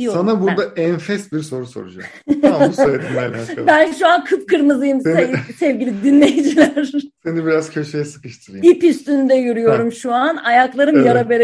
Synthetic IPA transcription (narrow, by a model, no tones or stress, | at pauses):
ijosanabuɾd̪aʔɛnfɛsbiɾso̞ɾuso̞̰ɾud͡ʒa | sed̪ʰinajnaabænʃuankʰɯpkʰɯɾmɯzɯjɯmsesɛvɟilʲid̪inlʲejid͡ʒilʲæɾsenibiɾaz̥cʰøʃejɛsɯ̥kɯʃt̪ʰɯɾɯjipyst̪ynd̪ɛjyɾyjo̞ɾumʃuanajaklˠaɾɯmjaɾabe̞ɾe